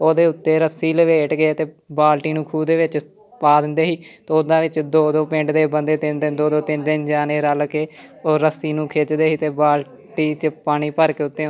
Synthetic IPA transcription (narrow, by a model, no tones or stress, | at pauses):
oːd̪eːʊt̪ːeːɾəsiːləʋeːʈɡeːt̪eː | baːlʈiːnũːkʰuːd̪eːʋɪt͡ʃ | paːd̪ɪnd̪eːɦiːt̪ːʊd̪ãːʋɪt͡ʃd̪oːd̪oːpɪ̃ɳɖd̪eːbənd̪eːt̪ɪnd̪ɪnd̪oːd̪oːt̪ɪnd̪ɪnd͡ʒaːneːɾəlkeːoːɾəsːiːnũːkʰeːt͡ʃd̪eːɦiːt̪eːbaːl | ʈiːt͡ʃpaːɽ̃iːpəɾkeːʊt̪ːeː